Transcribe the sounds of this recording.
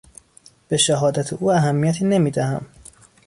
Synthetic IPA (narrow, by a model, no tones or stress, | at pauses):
b̥e̞ʃæɦɒːd̪æt̪ʰeʔuːæɦæmːijæt̪ʰiːne̞miːd̪æhæm